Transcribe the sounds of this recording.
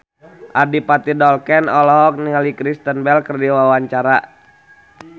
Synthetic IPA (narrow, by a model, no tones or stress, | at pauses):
ʔadipat̪idɔlkɛnɔlɔɦɔk̚niŋalikɾist̪ənbɛlkərdiwawaɲt͡ʃaɾa